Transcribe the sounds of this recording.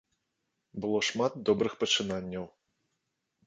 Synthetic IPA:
bɨlˠɔʂmad̪̚d̪ɔbɾɨxpɐt͡ʂɨnanʲːɐw

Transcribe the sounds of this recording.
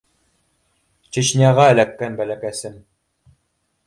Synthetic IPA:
t͡ɕɘ̆ɕnʲɑʁɑːlækːænbælækæsɘm

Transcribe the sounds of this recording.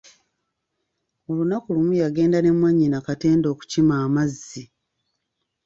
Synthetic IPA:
o̞lunakulumujaɡe̞ːndane̞mwaɲːinakate̞ːndo̞ːku̥cimaːmazːi

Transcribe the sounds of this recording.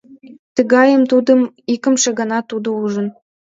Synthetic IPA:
t̪ə̆ɣɑjəmt̪ud̪ə̆m | ikə̆mʃĕɡɑnɑt̪ud̪ouʒə̆n

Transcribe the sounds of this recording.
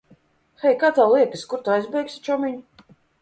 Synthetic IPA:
xɛjkaːt̪awlˠiɛk̪ɨskuɾt̪uajzbʲɛjksʲi̥t͡ʃɔmʲiɲ

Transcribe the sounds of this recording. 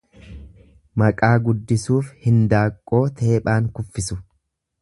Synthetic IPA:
mɐkʼaːɡʊd̪ːɪsuːfhɪnd̪aːkʼːo̞ːt̪ʰe̞ːpʼaːŋkʊfːɪsʊ

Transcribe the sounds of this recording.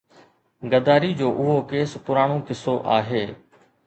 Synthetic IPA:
ɡəd̪aːɾid͡ʑoːʔʊɦokeːspʊɾaːɽ̃õkɪsoʔa̰ːɦeː

